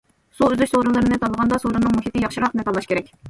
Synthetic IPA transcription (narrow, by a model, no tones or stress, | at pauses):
suøzyʃsoɾɨlˠɨɾɨnɨt̪ʰɑlˠəʁɑnd̪ɑsoɾɨnɨŋmuɦit̪ʰɪjɑχʃɨɾɑq̪nɪt̪ɑlˠɑʃkʲeɾɛkʲ